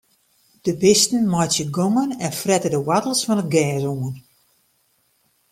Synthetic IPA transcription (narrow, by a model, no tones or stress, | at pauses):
d̥əbɪstn̩mɔjtjəɡoŋənɛnfrɛtədəwatəl̩ˠsfɔnət̚ɡɛːzuŋən